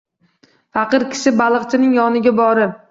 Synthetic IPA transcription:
fɑqɨɾkʲʰɪ̥sɪbalˠɨqt͡ʃʰɪnɪŋjɒnɪɡʲabɒɾɪ

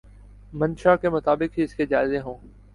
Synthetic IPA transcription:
mənʃakemʊt̪aːbɪkɦiɪsked͡ʒaːɪzẽɦõː

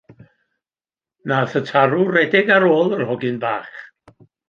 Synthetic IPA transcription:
naθətʰaɾurɛdɪɡaɾoːlˠərhɔɡɨnbaːχ

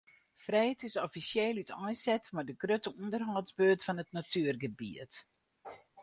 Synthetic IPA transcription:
frɛjtʰɪsɔfisjeːlˠytɔjsɛtmadəɡrøtəuəndərɦɔːzbøːtfɔnətnatʰyərɡəbḭət

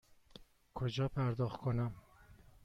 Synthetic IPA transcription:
kʰod͡ʒɒːpʰæɾd̪ɒːxt̪̚kʰonæm

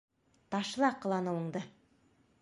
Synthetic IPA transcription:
t̪ɑʃlˠɑqə̆lˠɑnɤwə̆ɴd̪ə

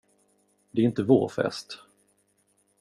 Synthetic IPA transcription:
d̪ɛɾɪnt̪əvo̰ːɾfɛ̰st̪

